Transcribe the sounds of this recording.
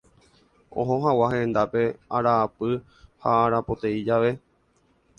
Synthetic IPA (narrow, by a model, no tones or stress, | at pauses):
õ̞̰ɦõ̞ɦãwaɦẽnd̪ape̞aɾaːpɨ | haːɾapo̞t̪eid͡ʒaʋe̞